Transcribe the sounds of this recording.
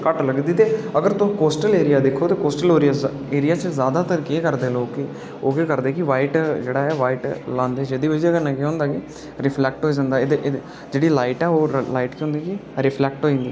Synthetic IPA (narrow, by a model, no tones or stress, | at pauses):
kəʈləɡd̪iːt̪eːəɡəɾt̪ʊ̃koːsʈəleːɾijaːd̪ɪkʰːoːt̪eːkoːsʈəlɦoːɾijaː | eːɾijaːt͡ʃəzjaːd̪aːt̪əɾkeːkəɾd̪eːloːkːɪ | oːkekəɾd̪eːkɪʋaːiʈd͡ʒeːɽaːɛːʋaːiʈlãːnd̪eːd͡ʒeːd̪iːʋəd͡ʒəɡəɾnɛkiɦõʊ̃nd̪aːkɪ | ɾɪpʰlɛːk̚ʈɦoːiːd͡ʒãːnd̪aːed̪eʔ | d͡ʒeːɽiːlaːiʈɛːoːlaːiːʈkiɦʊ̃nd̪iːkɪɾɪpʰlɛːk̚ʈɦoːĩːnd̪iː